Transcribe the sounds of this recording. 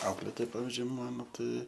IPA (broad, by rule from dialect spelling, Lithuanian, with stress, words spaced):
ˈɐʊklʲeːtoːj ˈpɑːʋʲɪzʲd͡ʒʲʊɪ ˈmɑːnoː ˈtɐɪ